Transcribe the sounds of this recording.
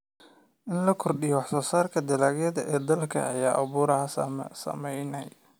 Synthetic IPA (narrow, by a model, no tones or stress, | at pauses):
ʔɪnlɐkʰɔrɗɪjɔwɑħsɔːsaːrkʰɐd̪ɐlaːɡjɐðɐʔɛːd̪ɐlkʰɐ̰ʔɐjaːʔɐβuːɾɐɦɐsɐ̰mɛjnɛj